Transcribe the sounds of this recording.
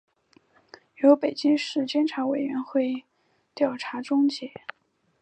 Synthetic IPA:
jo˧˥ʊpe˨˩ɪt͡ɕi˥ŋʂɻ̩˥˩t͡ɕjɛ˥nʈ͡ʂʰa˧˥we˨˩ɪɥɛ˧˥nxwe˥˧ɪ | t̪jɑ˥˩ʊʈ͡ʂʰa˧˥ʈ͡ʂʊ˥ŋt͡ɕjɛ˧˥˦

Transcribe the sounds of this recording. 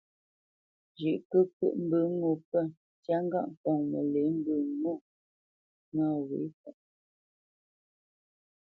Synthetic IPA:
d͡ʒi˨ʔkɨ˦kɨ̰˦ʔm̩˦bɨ˦ŋu˦˨pə˦˨ | tja˦ŋ˦ɡa̰˦ʔŋ˨kɔ˨ŋmə̰˨le˨˦m˦bɨ˦˨ŋu˦˨ | na˦˨wḭ˨˦kə˨ʔ

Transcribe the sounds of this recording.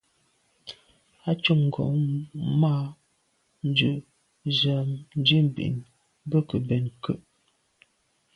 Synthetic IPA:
a˦t͡ʃu˦˨ŋŋ̩˨ɡɔ̰˨ma˦˨ | n̩˦d͡ʒʉ˨ʔ | za˨mn̩˦d͡ʒi˦m̩˨bḭ˨n | bə˦kə˨bɛ˨nkə˦˨ʔ

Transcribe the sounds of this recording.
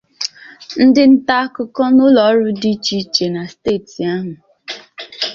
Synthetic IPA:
n̩˦dɪ˦n̩˦ta˦kʊ˦kɔ˦nʊ˦lɔ˨˦ɾʊ˦di˦t͡ʃi˦t͡ʃe˨na˨steː˦˨ti˨a˦ɦʊ˨

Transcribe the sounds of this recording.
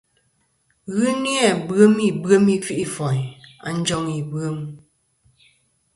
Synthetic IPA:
ɣɯ˦ni˦a˦˨bɰə˦mi˦˨bɰə˦mi˦fi˦ʔi˦fɔ˨a̰˨n˦d͡ʒɔ˦ŋi˨bə˦m

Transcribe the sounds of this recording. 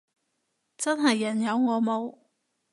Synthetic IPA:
t͡sɐ˥nɦɐ˨˩jːɐ˨˩njɐ˨˧wŋɔː˨˧mo˨˧w

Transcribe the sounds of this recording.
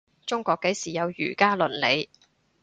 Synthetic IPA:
t͡sʊ˥ŋkʷɔː˧kːe˨˥jsiː˨˩jɐ˨˧wjyː˨˩kaː˥lɵ˨˩nle˨˧j

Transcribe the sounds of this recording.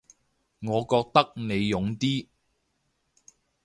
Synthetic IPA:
ŋɔː˨˧kɔː˧k̚t̪ɐ˥k̚ne˨˧jjʊ˨˧ŋt̪iː˥

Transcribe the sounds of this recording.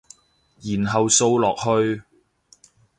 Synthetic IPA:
jiː˨˩nɦɐ˨wso˧wlɔː˨k̚hɵ˧ɥ

